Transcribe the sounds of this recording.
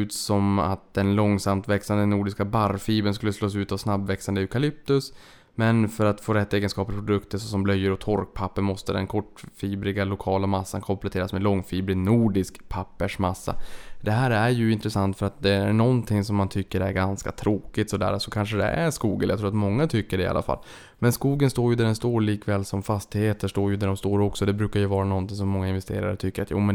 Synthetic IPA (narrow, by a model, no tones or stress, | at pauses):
ʉ̟ːt̪sɔma̰t̪̚d̪̥ɛnlɔŋːsamt̪vɛksand̪ənuːɖɪskabaɾfiːbənskɵlːəsloːs̬ʉ̟ːt̪avsnabvɛksand̪əʏkʰalɪp̚t̪ɵs | mɛnfœɾat̪foːɾɛt̪ːeːɡənskɑːpəɾpʰɾʊd̪ɵkt̪əsɔsɔmblœjːəɾɔt̪ʰɔɾk̚pʰapːəɳmɔst̪əd̪ɛ̰nkʰɔʈfiːbɾɪɡalʊkʰɑːlamasːa̰nkʰɔmplɛt̪ʰeːɾasmɛlɔŋːfiːbɾɪnuːɖɪskpʰapːəʂmasːa̰d̪ɛɦæːɾæɾjɵɪnt̪ɾɛsant̪fœɾat̪̚d̪ɛæɳɔnt̪ʰɪŋsɔmːant̪ʰʏkːəɖɛæɾɡanska̰t̪ʰɾoːkɪt̪sɔd̪æ̰ːɾasɔkʰanʂəd̪ɛ̰æɾʂkuːɡəljat̪ɾuːɾat̪mɔŋːat̪ʰʏkːəɖɛɪ̰a̰lʔa̰fa̰lː | mɛnskuːɡənst̪oːɾjɵd̪æɖɛnst̪oːɾliːkvɛːlsɔmfast̪ɪheːt̪əʂʈ̪oːɾjɵd̪æɖɔmst̪oːɾɔksɔd̪ɛbɾʉ̟ːkaɾjɵvɑːɾanɔnt̪ɪŋsɔmːɔŋːaɪnvɛst̪ḛːɾa̰ɾət̪ʰʏkːəɾat̪jṵːmɛn